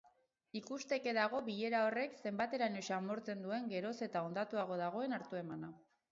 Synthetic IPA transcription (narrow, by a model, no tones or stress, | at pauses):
ikust̪e̞ke̞ðaɣ̞o̞βiʎe̞ɾao̞re̞kse̞mbat̪e̞ɾanoʃamo̞ɾt͡se̞nd̪ue̞ŋɡe̞ɾo̞se̞t̪ao̞nd̪at̪uaɣ̞o̞ð̞aɣ̞o̞e̞naɾt̪ue̞mana